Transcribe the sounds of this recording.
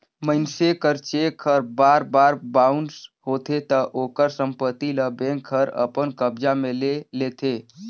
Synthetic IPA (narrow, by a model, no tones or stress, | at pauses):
məɪnsekəɾt͡ʃekʰəɾbaɾbaɾbaʊnɖsɦot̪ʰet̪əʔokəɾsəmpət̪iləbẽŋkʰəɾə̰pənkəbd͡ʒamelelet̪ʰe